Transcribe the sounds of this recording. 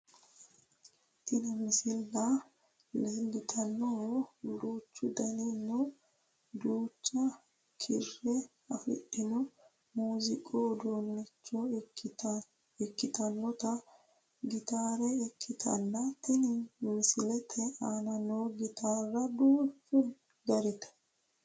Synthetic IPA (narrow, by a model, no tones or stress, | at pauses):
t̪ɪnɪmɪsɪlbɐ | lɪbɪt̪ʰʼɐnːɔd̪uːt͡ʃːʊd̪ɐnɪnːʊ | d̪uːt͡ʃːɐ | kʰɪ̰rːɛ | ɐfɪ̰ɗɪnʊ | muːzɪkʼoːd̪oːnːɪt͡ʃːɔ | ɛkːɪt̪ɐnːɔt̪ɐ | ɡɪt̪aːɾɛɛkʰːɪt̪ʰɐ̰nːɐt̪ːɪnmɪsɪlɛt̪ʰɛaːnɐnoɡɪt̪aːrːɐd̪uːt͡ʃːʊ | ɡɐɾɪt̪ɛ̥